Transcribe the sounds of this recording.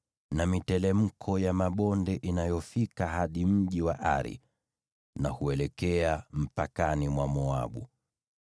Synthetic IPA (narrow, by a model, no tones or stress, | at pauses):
namitɛlɛm̩kʰɔjamaɓɔndɛʔinajɔfikaɦaɗim̩ʄiwaʔa̰ɾḭ | nahuɛlɛkɛam̩pakanimwamɔa̰ɓṵ